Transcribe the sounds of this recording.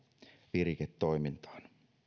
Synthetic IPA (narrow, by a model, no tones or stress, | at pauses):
ʋiriket̪ːoimint̪ɑ̥ːn